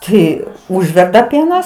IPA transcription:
ˈtɐɪ ˈʊʒʲʋʲɛrdɐ ˈpʲiɛnɐs

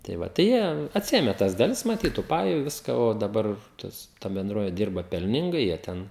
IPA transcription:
tɐɪ ˈʋɐ tɐɪ ˈjiɛ ɐtʲˈsʲɪeːmʲɛ tɐs dɐˈlʲɪs mɐˈtʲiːt tuː ˈpɑːjʊ ˈʋʲɪskɐ oː dɐˈbɐr ˈtɐs tɐ bʲɛnˈdroːʋʲɛ ˈdʲɪrbɐ pʲɛlʲˈnʲɪŋɡɐɪ jiɛ ˈtʲɛn

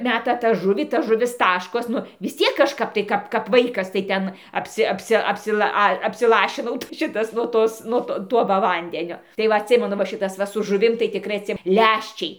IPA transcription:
ˈmʲæːtɐ tɑː ˈʒʊʋʲiː tɐ ˈʒʊʋʲɪs ˈtɑːʃkoːs ˈnʊ ʋʲɪs ˈt͡sʲiɛk kɐʃˈkɐp tɐɪ ˈkɐp kɐp ˈʋɐɪkɐs tɐɪ ˈtʲɛn ɐpʲˈsʲɪ ɐpʲˈsʲɪ ɐpʲsʲɪˈlˠɐ ˈɐ ɐpʲsʲɪˈlˠɑːʃʲɪnɐʊ tɐɪ ˈʃʲɪtɐs nuɔ ˈtoːs ˈnuɔ toː ˈtuɔ ʋɐ ˈʋɐnʲdʲɛnʲoː tɐɪ ˈʋɐ ɐtʲˈsʲɪmʲɛnʊ ʋɐ ˈʃʲɪtɐs ˈʋɐ sʊ ʒʊˈʋʲɪm tɐɪ tʲɪkˈrɐɪ ɐtʲˈsʲɪ ˈlʲæʃʲt͡ʃʲɛɪ

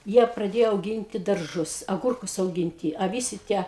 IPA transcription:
ˈjiɛ prɐˈdʲeːjoː ɐʊˈɡʲɪnʲtʲɪ dɐrˈʒʊs ɐˈɡʊrkʊs ɐʊˈɡʲɪnʲtʲɪ ɐ ˈʋʲɪsʲɪ ˈtʲiɛ

